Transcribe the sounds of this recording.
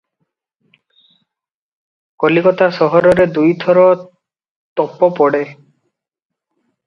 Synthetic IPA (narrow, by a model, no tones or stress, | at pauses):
kɔlikɔt̪asɔɦɔɾɔɾed̪ujt̪ʰɔɾɔ | t̪ɔpɔpɔɽe